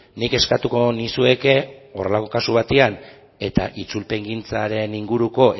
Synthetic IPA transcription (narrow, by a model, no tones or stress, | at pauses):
nike̞skat̪uko̞nisue̞ke̞o̞re̞lako̞kasuβ̞at̪ean | e̞t̪a̰ʔit͡sulpe̞ŋɡint͡saɾe̞niŋɡuɾuko̞ʔ